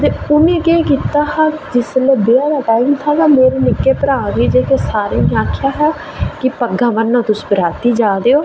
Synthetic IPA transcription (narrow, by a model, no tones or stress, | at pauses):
t̪eːʊmẽːkeːkiːt̪aːhaːd͡ʒɪsleːbeːaːd̪aːʈaːimt̪ʰaːt̪ãːmeːɾeːnɪkːeːpəɾãːd̪iːd͡ʒeːkeːsaːɾeːnẽːaːkʰɪjaːɦɛː | kɪpəɡãːʋənːãːt̪ʊsbəɾaːt̪iːd͡ʒaːd̪eːoː